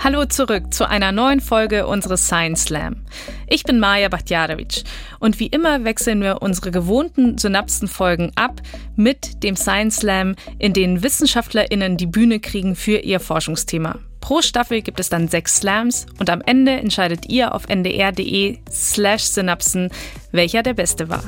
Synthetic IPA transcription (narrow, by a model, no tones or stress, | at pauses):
haloːt͡suʁʏk̚t͡suʔa̰ɪnɐnɔʏənfɔlɡəʔʊ̰nzəʁəsaɪənslɛ̰m | ʔɪçb̥ɪnmaːjabatjaːɾovɪ̰t͡ʃ | ʔʊntv̥iːʔɪmɐvɛksl̩nviːɐʔʊnzəʁəɡəvoːntn̩zynapsn̩fɔlɡŋ̩ʔap | mɪtd̥eːmsaɪənslɛmʔɪndeːnənvɪsn̩ʃaftʰlɐʔɪnəndiːbyːnəkʁ̥iːɡŋ̩fyːɐʔiːɐfɔɐʃʊŋstʰeːma̰ | pʁ̥oːʃtafl̩ɡiːp̚tɛsd̥anzɛksːlɛmsʔʊntamʔɛndəʔɛ̰ntʃaɪdətʔḭːɐʔa̰ʊfʔɛ̰ndḛːʔɛɐdḛʔeː | slɛʃz̥ynapsn̩ | vɛlçɐdeːɐbɛstəva̰ːɐ